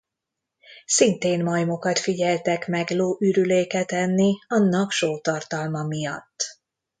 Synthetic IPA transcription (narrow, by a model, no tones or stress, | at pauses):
sint̪eːnmɒjmo̞kɒt̪fiɟɛlt̪ɛkmɛɡloːʔyɾyleːkɛt̪ɛnːiɒnːɒkʃoːt̪ɒrt̪ɒlmɒmijɒt̪ː